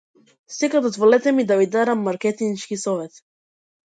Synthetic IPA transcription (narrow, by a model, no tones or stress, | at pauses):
sɛkad̪ɔzvɔlɛt̪ɛmid̪avid̪aɾamːaɾkɛt̪iŋʃkisɔvɛt̪